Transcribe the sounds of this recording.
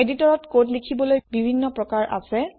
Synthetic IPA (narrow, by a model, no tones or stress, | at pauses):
editɔɹɔtkotlikʰibɔlojbibʱinːɔpɹɔkaɹʔa̰sɛ